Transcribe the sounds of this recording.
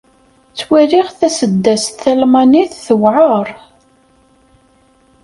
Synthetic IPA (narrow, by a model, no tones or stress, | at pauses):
t͡sːwæɾiʁθæsəd̪ːæst̪θælmaniθθəwʕəɾˤ